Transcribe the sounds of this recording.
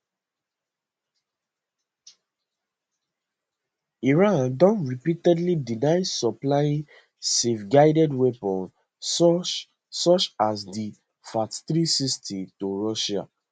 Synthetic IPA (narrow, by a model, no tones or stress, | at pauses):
iɹãndɔ̃nɹipitɛdlidinaɪsɔplajĩ | sefɡaɪdɛdwepɔ̃n | sɔt͡ʃasdi | fatθɾisistʰitoɹɔʃa̰